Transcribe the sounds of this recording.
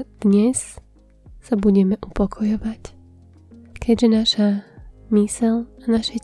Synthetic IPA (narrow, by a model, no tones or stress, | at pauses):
d̪̥ɲɛs | sabuɟɛmɛʔupɔkʰɔjɔʋac | kʰɛɟʒɛnaʃamisɛlanaʃɛ